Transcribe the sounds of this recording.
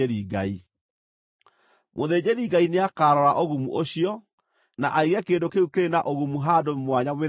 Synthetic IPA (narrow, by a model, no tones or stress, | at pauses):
eɾiɡa̰i | mʔoðeːd͡ʑeɾiɡaineakaːɾɔɾaʔoɣumṵʔoɕiɔ | naʔaiɣɛkeːndokeukeɾenaʔoɣumuɦaːdomwaɲawe